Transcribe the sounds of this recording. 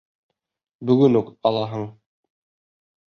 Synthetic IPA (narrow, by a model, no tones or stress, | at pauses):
bɵ̆ɡɵnukɑlˠɑɦɤɴ